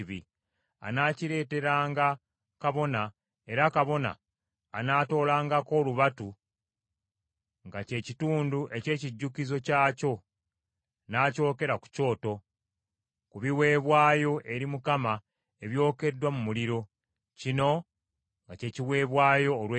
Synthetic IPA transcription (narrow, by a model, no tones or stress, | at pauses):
βi | a̰naːciɾe̞ːte̞ɾaːŋɡa | kaβo̞na | e̞ɾakaβo̞na̰ː | naːto̞ːlaːŋɡako̞ːluβatu | ŋɡace̞ːcituːnduʔe̞ce̞ːciɟːukizo̞caːco̞ | naːco̞ːke̞ɾaku̥co̞ːto̞ | kuβiwe̞ːβwaːjo̞ʔe̞ɾimukama | e̞βjo̞ːke̞dwamumuliɾo̞ | cino̞ | ŋɡace̞ːciwe̞ːβwaːjo̞ːlwe